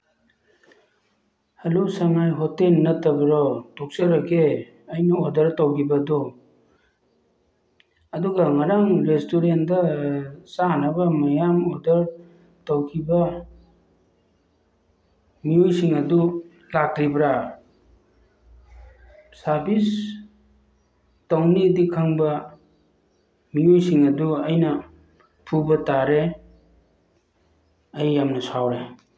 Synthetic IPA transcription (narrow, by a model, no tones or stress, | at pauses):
hɐlusaŋajɦɔtelnɐtɐbɾɔtɔk̚sɐɾɐkʰe | əjnɐodɐɾtawɡibɐdɔ | duɡaŋaɾaŋɾestoɾendɐsanɐbɐmɐjamɔdɐɾ | tawkʰibɐ | miojsiŋɐdu | lak̚ɾibɾa | saɾbis | tawnidikʰaŋbɐ | miojsiŋɐduɐjnɐ | pʰubɐtaɾe | ɐjːamnɐsawɾe